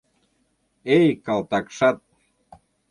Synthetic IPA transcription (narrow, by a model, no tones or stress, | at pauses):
ejkɑlˠt̪ɑkʃɑt̪̚